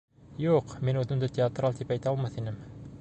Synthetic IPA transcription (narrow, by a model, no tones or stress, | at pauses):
juqminʉðɘ̆nd̪ɘt̪ʲɪat̪ralˠt̪ipæjt̪æɑlˠmɑθinɘm